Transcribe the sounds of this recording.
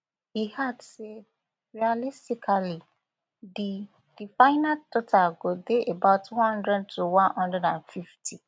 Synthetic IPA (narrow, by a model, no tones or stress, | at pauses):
hihadse | ɹialistikʰali | di | d̥ifaɪnadɔtʰaɡodeʔebaʊthɔ̃ndɹɛd̚tʰuwãnhɔ̃ndɛdãnfiftʰi